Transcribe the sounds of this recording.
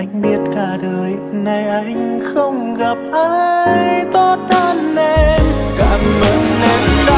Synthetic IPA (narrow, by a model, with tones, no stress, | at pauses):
ʔa˧jŋ̟ɓi˦˥ət̚kaː˧˩ɗəː˨˩j | na˨˧˩jʔa˧˩jŋŋ̟xə˧wŋ͡mɣa˨˩p̚ʔaː˧jjt̪ɔ˧t̚ɗaː˧nːɛ˧˥mkaː˧˩mʔə˧˦˨nnɛ˧˩mza˧